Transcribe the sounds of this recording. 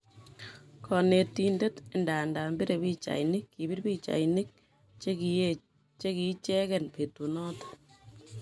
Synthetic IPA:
kʰɔ˨ne˨ti˦nde˦tɪ˨nda˨nda˨mbi˦ɾe˨bi˦t͡ʃa̰˨jnɪ˦kːi˨bi˦ɾbi˦t͡ʃa̰˨jni˦k̚ | t͡ʃe˦ki˨˦t͡ʃɛ˦kɛ˨npe˨tu˨nɔ˦t

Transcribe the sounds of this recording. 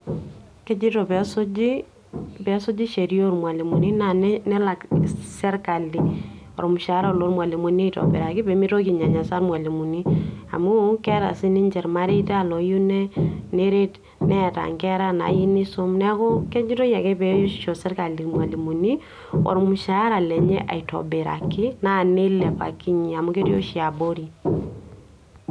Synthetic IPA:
kɛ˦d͡ʒi˦tɔ˨pɛ˨sʊ˦d͡ʒi˦ | pɛ˨˦sʊ˦d͡ʒi˦ʃe˨ɾjo˦ɾmwa˨li˨mu˨ni˦na˨nnɛ˦la˨ksɛ˦ɾka˨li˨ | ɔ̰˨ɾmʊ˨ʃa˨ɾlo˨˦ɾmwa˨li˨mu˨ni˦tɔ̰pɛ̰˨ɾa˨kɪ˦pɛ˨mi˦ɾo˦ki˨ɲa˨ɲa˨sa˦ɾmwa˨li˨mu˨ni˦a̰˨mu˦kɛ˦ɾa̰˨sɪ˦ni˦ɲd͡ʒɛ˨ɾma˦ɾi˦ta˦˨lɔ˨ju˦nɛ˦ne˦ɾe˦t | nɛ˦ta̰˨ŋkɛ˦ɾa˦na̰˨ji˦ni˦so˦mnɛ˦kʊ˦kɛ˦d͡ʒi˦to˦ja˨kɛ˦pɛ˦jo˦ʃo˨sɛ˦rka˨li˨kmwa˨li˨mu˨ni˦ | ɔ̰˨ɾmu˨ʃa˨˦ɾa˨lɛ˨ɲɛ̰˦ʔa̰˨i˨tɔ̰˨be˨ɾa̰˨ki˦na˦˨ne˦lɛ˨pa̰˨ki˦ɲi˨a˨mu˦ke˦tjo̰˦ʃi˨a˨bo˦ɾi˨

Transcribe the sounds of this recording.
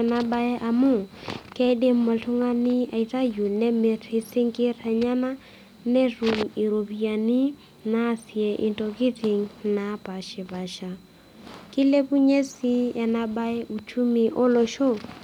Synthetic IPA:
na˦ba˦ɛ˦ʔa˨mʊ˦˨kʼɛ˦di˦m̩mo˨ɬʰʊ˦ŋa˦ni˦a̰˨i˨t͡sʼa˦ju˨lnɛ˦mɪ˨ri˨sɪ˦ŋ̩˦kʼɪ˦rɛ˨ɲa˦na˦ | ne˦ru˨ŋ̩i˨ɾo˨pia˨ni˦ | na˦si˨ɛ˨ʔɪ˨ntʼɔ˨ki˦tʰi˨ŋ̩na˨pʼa˨ʃɪ˨ba˨ʃa˨ | kʼɪ˦le˦pu˦ɲe˦si˦ja˨naba˦ɛ˦ʔu˨t͡ʃʰu˦mi˨ʔo˦lo˨ʃo˦

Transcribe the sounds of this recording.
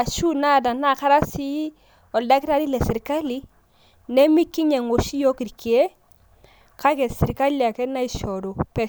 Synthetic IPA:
a˨ʃu˦na˦˨da˨na˦˨ka˦ɾa˦si˦ | ɔ˨lda˦ki˦ɾa˦di˦lɛ˨sɪ˨ɾka˦li˦ | nɛ˦mi˦ki˦ɲɛ˨ŋo˨ʃi˦jɔ˦ki˨ɾki˨e˦ | ka˦kɛ˨sɪ˨ɾka˦li˨a˨kɛ˦na˦i˨ʃɔ˨do˨pɛ˦

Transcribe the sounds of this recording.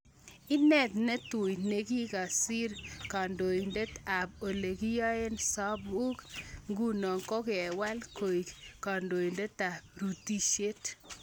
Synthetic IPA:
ɪ˦nɛ˨t̪nɛ˦to˨jne˨ɡi˦ka˨si˦ɾka˨ndo˨i˨nde˦ta˨b̚o˨le˨ɡi˦jɔ˦e˦nsa˦bu˦kŋɡu˦nɔ˨ŋkɔ˦kɪ˨ɛ˨wa˦lko˨i˨ka˨ndo˨i˨nde˦ta˨ɾu˨ti˦ʃe˦t

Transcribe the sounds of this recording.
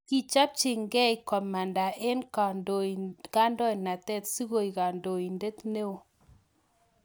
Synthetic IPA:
ki˦t͡ʃa˦p̚t͡ʃɪ˨ŋɡɛ˦i˨kɔ˨ma˨nda˨ʔe˦nka˨ndo˨i˨ka˦ndɔ˦jna˨tɛ˦˨tsi˦ɣo˨i˨ka˨ndo˨i˨nde˦t̪ne˦o˨

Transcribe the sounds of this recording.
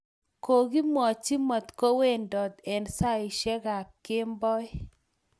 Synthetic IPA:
ko˨ɡi˦mɔ˨t͡ʃi˦mɔ˨t̪ko˦we˦˨ndɔ˨d̪ɛ˨nsa˦ɪ˨ʃɛ˦ɣa˨kːɪ˦mbɔ˦j

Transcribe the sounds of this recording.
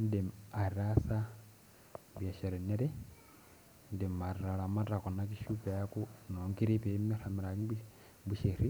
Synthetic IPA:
nde˨ma˨ɾiɾasa˦ | bja˨ʃe˨ɾe˨ne˦ɾe˦ | n˦de˨ma˨riɾa˨la˨ma˦ta˨ko˨na˦kiʃupe˨ja˦ku˦no˨ŋɡi˦ɾi˦βe˨mi˦ɾa˨miɾa˨ki˦b | buʃe˨ɾi

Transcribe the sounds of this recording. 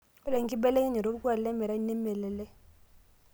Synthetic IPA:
ɛ˦la˨ŋ˦ki˦bɛ˦lɛ˦ŋɛ˦ɲɛ˨ɾo˦u˦ku˦a˨llɛ˦mɛ˨ɾa˦nɛ˦mɛ˨lɛ˨lɛ˦

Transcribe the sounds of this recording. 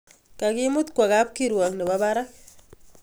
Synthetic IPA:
ka˨ɡi˦mu˦t̪kwa˨ɡa˦p̚kiɾwa˨kni˨ba˦ba˦ɾa˦

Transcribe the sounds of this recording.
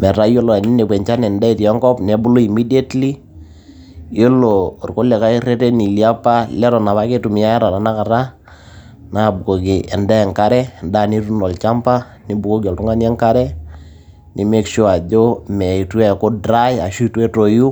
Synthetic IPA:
mɛ˨ɾa˨˦jo˦lɔ˨ni˦ne˨bwɛ˨ɲt͡ʃa˦nɛ˨nda˦i˨tɛ˦ŋkɔ˦pnɛ˨bu˦lo˦i˨mi˦di˦a˦tli˦ | jo˦lo˨rko˦lɛ˨ka˦i˦re˦tɛ˦ni˨lia˦pa˦lɛ˦ɾɔ˨na˨βa˦ke˦tu˨mɪ˨ja˦jɛ˦ɾa˨ta˨na˦ka˨ɾa˦ | na˦˨bu˨ko˨ki˨ʔɛ˨nda˦ɛ˨ŋka˦ɾɛ˦nda˦˨ni˦ɾu˦nɔ˨lt͡ʃa˦mpa˦ | ni˦bu˨ko˦kɔ˨ltu˦ŋa˦nɛ˦ŋka˦ɾɛ˦ | ni˨me˦kʃo˦a˨d͡ʒo˦mɛ˨i˨tu˦ɛ˦˨ko˦dɾa˦ja˨ʃu˦twe˦to˨ju˦

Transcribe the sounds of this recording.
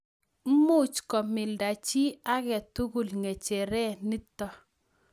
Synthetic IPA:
mʊ˦t͡ʃkɔ˨mɪ˨lda˨t͡ʃi˦a˦ɣɛ˨tu˦ɡu˨lŋe˨t͡ʃe˨ɾɛ˦nɪ˦tɔ˦

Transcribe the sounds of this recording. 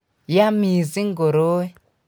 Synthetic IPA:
ja˦mi˨zi˦ŋ˦ɡo˨ɾo˦i˦

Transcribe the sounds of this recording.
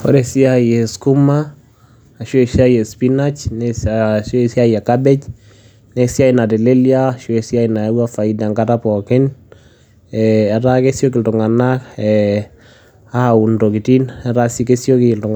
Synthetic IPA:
ɔ̰˦ɾɛsi˦ajɛ˨sku˦ma | a˨ʃɔ˦ɛ˨ʃi˦a˦jɛ˨spinat͡ʃnɛʃɔ˦˨si˦a˦ja˨kabɛ˦c | nɛ˨si˦a˦i˨na˨tɛ˨le˦ljaʃɔ˦ɛ˨si˦a˦ina˨a˦wafa˨ida˨ŋka˦tapɔ˨kɪ˦n | ɛː˨ɾa˦kɛ˦sjɔ˦k̬ɪ˨ltʊ˨ŋa˨na˦kɛ | a˦ha˨u˨ndɔ˨ki˨ti˦nɛɾa˦sike˦sjɔ˦kɪ˨ltʊ˨ŋ

